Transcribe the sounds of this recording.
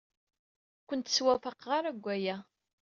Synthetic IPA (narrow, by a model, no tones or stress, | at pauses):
kʷənt̪ːswæfəqʁaɾæɡʷːæjæ